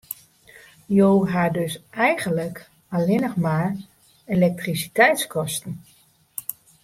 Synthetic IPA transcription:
joːɦadøsɛjɣənlək | alɪnəxmaːr | elɛk̚trisi̥tɛjtskʰɔstən̩

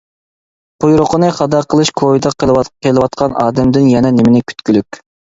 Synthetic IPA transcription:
qʰujɾʊqʰənɨχɑd̪ɑqʰəlˠɨʃkʰovid̪ɑqʰəɑqʰelˠɨwɑt̪̚qʰɑnɑ̰ːd̪ɛmd̪ɪnjɛnɛnɪmɪnɪkʲʰy̥t̪̚kʲylykʲ

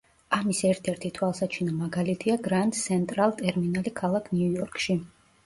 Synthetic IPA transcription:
amisɛɾt̪ʰɛɾt̪ʰit̪ʰwalˠsat͡ʃʰinamaɡalit̪ʰiaɡɾant̪ʼt̪sʰɛnt̪ʼɾalˠt̪ʼɛɾminalikʰalˠakʰniujɔɾkʼʃi

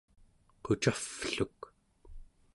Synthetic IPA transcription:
qot͡ʃafɬuk

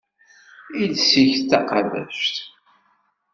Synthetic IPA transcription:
id̪siçt̪ːɑqɑðæ̰ʃt̪

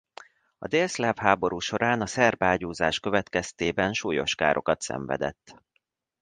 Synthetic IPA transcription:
ɒ̰d̪eːlslɛfhaːbo̞ɾuːʃo̞ɾaːnɒsɛrbaːɟuːzaːʃkø̞vɛt̪kɛst̪eːbɛnʃuːjo̞̰ʃka̰ːɾʔo̞kɒt̪sɛ̰ɱvɛ̰d̪ɛ̰t̪ː

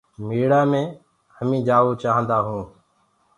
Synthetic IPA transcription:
miːɽaːmẽː | həmĩːd͡ʒaːʋoːt͡ʃaːɦə̃nd̪aːɦũː

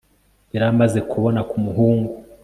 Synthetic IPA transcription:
βiɾamaze̞kʰuβo̞nakumuɦuːŋɡu

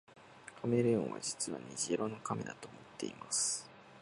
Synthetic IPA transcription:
kʰameɾɯ̟jõɰ̃βa̰d͡ʑi̥t͡sɨβa̰ɲ̟iʑiɾʔo̞no̞kamʲid̪at̪o̞ːmot̪ːe̞imasɨ̥

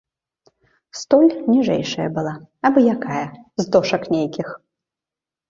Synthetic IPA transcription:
st̪ɔlʲnʲiʐɛ̰jʂɐjɐ̰bɨlˠaɐbɨjakajɐzd̪ɔʂɐknʲejkʲix

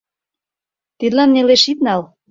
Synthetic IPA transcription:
t̪id̪lɑnːeleʃit̪nɑl

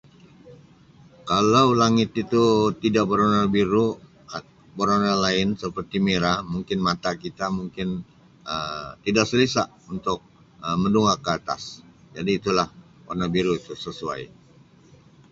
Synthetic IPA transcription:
kalawlaŋɪt̪it̪ut̪idaʔbəɾonabiɾu | bəɾonalaɪnsəpərt̪imeɾamuŋkɪnmat̪akit̪amuŋkɪn | ət̪idaʔsəlisaʔ | unt̪ʊk̚ | əmənduŋakəat̪a̰s | d͡ʒadiːt̪ulah | onabiɾuit̪usəsua̰j

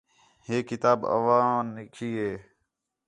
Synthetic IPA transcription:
heːkɪt̪aːbə̰ʋãːnɪkʰiːɦeː

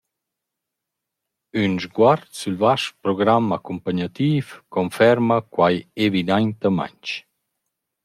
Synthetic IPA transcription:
ynʒɡwaɾt̪sylvaʃpɾɔɡɾamakumpaɲat̪iːfkɔnfɛɾmakwajevid̪ajnt̪əma̰ɲt͡ʃ

